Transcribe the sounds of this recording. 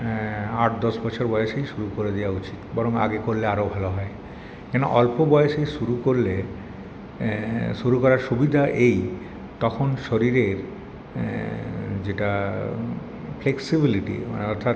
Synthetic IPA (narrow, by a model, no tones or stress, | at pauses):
aʈd̪ɔʃbɔt͡ɕʰoɾbɔeʃejʃuɾukoɾed̪ewaut͡ɕit̪bɔɾoŋa̰ɡekoɾleaɾobʱaloɦɔe | kɛno̰ʔɔlpobɔeeʃejʃuɾukoɾle | ʃuɾukɔɾaɾʃubid̪ʱaʔej | t̪ɔkʰonʃoɾiɾeɾ | d͡ʑeʈa | fʰleksibiliʈḭɔ̰ɾt̪ʰat̪